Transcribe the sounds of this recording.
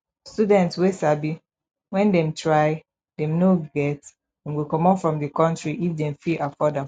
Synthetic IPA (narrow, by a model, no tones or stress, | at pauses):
studɛ̃ntswesabi | wɛ̃ndɛ̃mtʰɹaɪ | dɛ̃mnoɡɛt | dɛ̃mwikɔ̃mɔfɹɔ̃mdəkɔ̃ntɹiʔifdɛ̃mfiʔafɔdã